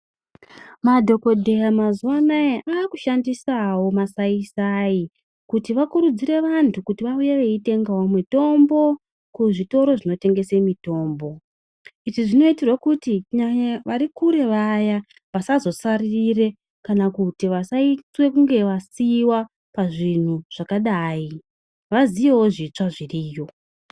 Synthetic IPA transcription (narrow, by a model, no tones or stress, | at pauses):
madʱo̞ko̞dʱejamazuwanaeʔaːkuʃandisawo̞masaisai | kutiʋakuɾud͡ziɾe̞ʋantʰukutiʋaujeʋe̞ite̞ŋɡawomito̞mbo̞ | kuʐito̞ɾo̞ʐino̞te̞ŋɡe̞se̞mito̞ːmbo̞ | iʐiʐino̞itirwakutiɲaɲaʋaɾikuɾe̞ʋaja | ʋasazo̞sariire̞ | kanakutiʋasaiswe̞kuŋɡe̞ʋasiwa | paʐin̤uʐ̥akaɗaːi | ʋazijewoʐiːt͡ʂaʐiriːjo̞